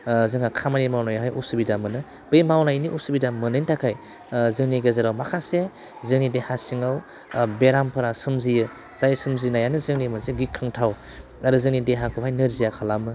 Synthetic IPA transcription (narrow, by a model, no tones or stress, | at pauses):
zɯŋakʰamanimawnajaɦajusubidamɯnɯ | b̥ɯjmawnajniʔusubidamɯnɯjntʰakʰaj | zɯŋniɡɐzaɾawmakʰase | zɯŋnidehasiŋaw | beɾampʰɯɾasɯmzijɯ | z̥ajsɯmzinajanɯzɯŋnimɯzeɡikʰːɯŋtʰaw | aɾuzɯŋnideɦakʰɯpʰhajnɯɾzijakʰalamɯ